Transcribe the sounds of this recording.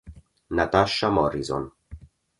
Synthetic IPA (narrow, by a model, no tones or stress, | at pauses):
nat̪aʃamɔɾizɔ̰n